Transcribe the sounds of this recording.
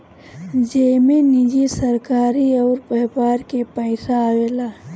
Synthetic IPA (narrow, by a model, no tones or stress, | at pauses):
d͡ʒemenid͡ʒisəɾkaːɾiɔːɾpəɦbaːɾkepəɪsaweːlaː